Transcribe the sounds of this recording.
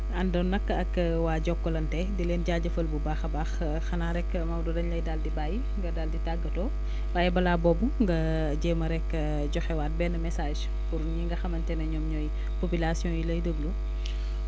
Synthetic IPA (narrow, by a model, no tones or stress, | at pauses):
ɐndɔnːɐkːəɐkː | waːɟɔkːɔlɐntɛdileːnɟaːɟɐfɐlbubaxɐbaːx | xɐnaːɾɛkːmɐwdɔdɐɲlɐjdaldibaːji | ŋɡɐdaːlditaɡːɐtɔː | wajɛbɐlaːbɔbuŋɡɐ | ɟɛːmɐɾɛkːə | ɟɔxɛwaːt̚bɛːnɐmɛsaːʃ | puɾɲiŋɡɐxɐmɐntɛnɐɲɔmɲɔj | popilasjɔ̃julɐjdəblu